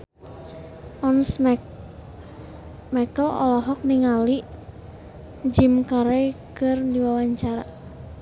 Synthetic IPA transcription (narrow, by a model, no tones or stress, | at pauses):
ʔɔns | mɛkəlɔ̰lɔɦɔk̚niŋaliʔ | d͡ʒimkaɾejkɨrdiwawaɲt͡ʃaɾa̰